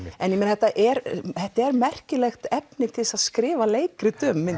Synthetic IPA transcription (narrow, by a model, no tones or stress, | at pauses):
ɛnjɛmɪnaθɛt̪ːaʔɛɾθɛht̪ːaɛɾmɛr̥cɪlɛxt̪ɛpnɪt̪ʰɪlsaðskɾɪːvaleːjkɾɪt̪ʏmːɪ